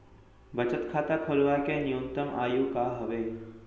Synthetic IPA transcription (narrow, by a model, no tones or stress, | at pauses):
bət͡ʃət̪kʰaːt̪akʰoːlʋakenijont̪əmʔa̰ːjuːkaːɦəʋeː